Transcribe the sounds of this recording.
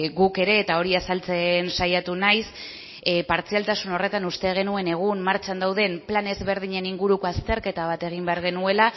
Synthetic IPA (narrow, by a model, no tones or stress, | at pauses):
ɡuke̞ɾe̞ːt̪ao̞ɾiasalt͡se̞nsajat̪unajs | paɾt͡sialt̪asuno̞re̞t̪anust̪e̞ɣ̞e̞nue̞ne̞ɣ̞unmaɾt͡ʃand̪awðe̞mplane̞zβe̞ɾðiɲe̞niŋɡuɾuko̞ast̪e̞ɾke̞t̪aβ̞at̪e̞ɣ̞imbe̞aɾɣ̞e̞nue̞la